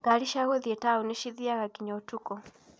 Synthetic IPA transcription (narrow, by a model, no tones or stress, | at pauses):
ɡaɾiʃaɣoðiɛtauneʃiðiaɣakiɲɔtukɔ